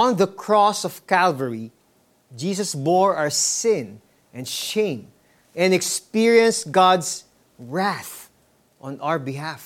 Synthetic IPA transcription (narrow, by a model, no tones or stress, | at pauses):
ɔ̃nðəkʰɹɔsɔv̥kælvəɹi | d͡ʒis̬ʌsbɔɹaəsɪ̃n | ʔɛ̃nʃẽɪ̃m | ɛ̃nɛkspiɹiɛ̃nstɡɑds | ɹæθ | ʔɔ̃nawə˞bɪɦæf